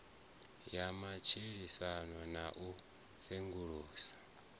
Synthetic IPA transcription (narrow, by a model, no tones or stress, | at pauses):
jamat͡ʃʰiɺisanwanaʔu | seŋɡuɺuːsḁ